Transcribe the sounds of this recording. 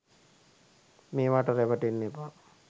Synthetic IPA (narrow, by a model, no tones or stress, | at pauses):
meːʋaʈəɾeʋəʈinːepa